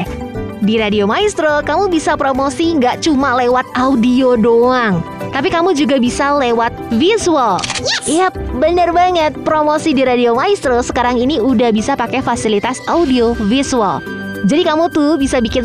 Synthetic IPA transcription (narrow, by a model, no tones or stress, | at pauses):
diɾadiomaist̪ɾokamubisapɾomosiŋɡaʔt͡ʃumalewat̪̚audiodoaŋ | t̪ap̬ikamud͡ʒuɡabisalewat̪̚fisualijabənərbaŋət̪̚pɾomosidiɾadiomaist̪ɾosəkaɾaŋiniudahbisapakɛfasilit̪asaudiofisua̰l | d͡ʒadikamut̪ubisabikɪn